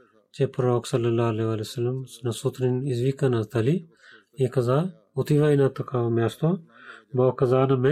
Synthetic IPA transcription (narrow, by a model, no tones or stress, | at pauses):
t͡ʃepɾoːksɐlːɐlːaɐleʋaːlisɐlːɐmsnɐsut̪ɾinizʋikɐnɐzt̪ɐli | ekɐzaː | ut̪ʰiʋɐinat̪ɐkʰaɐmɛːst̪oboːkɐzaːnɐme